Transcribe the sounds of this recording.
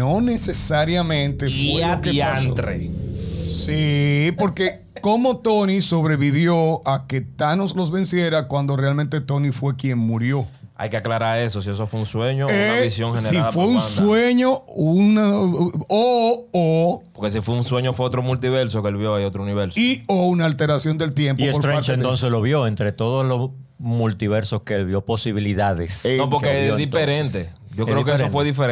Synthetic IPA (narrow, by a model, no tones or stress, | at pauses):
nonesesaɾjamẽnt̪efieapeiant̪ɾḛ | sipo̞ɾke | ko̞mo̞t̪oniso̞βɾe̞βiβjo̞ake̞t̪anoslo̞sβe̞nsje̞ɾakwand̪ore̞almẽnt̪e̞t̪o̞nifwe̞kjeŋmuɾjo̞ | a̰jkeaklaɾaesosies̬ofweunsweɲoeaβisjoŋhesneɾifweunsweɲouna | oopoɾkes̬ifweunsweɲofweot̪ɾomult̪iβe̞ɾsokeelβjoajot̪ɾouniβeɾsoiounaːlt̪e̞ɾasjo̞nd̪e̞lt̪je̞mpioesoɾt̪ɾẽaɾt͡ʃẽnt̪onsesloβjo̞ent̪ɾe̞t̪o̞ðoslos | mult̪iβe̞ɾsoskeelβjo̞po̞siβiliðaðesopoɾkeðifeɾent̪e | ɟ͡ʝokɾekeesofweðifeɾ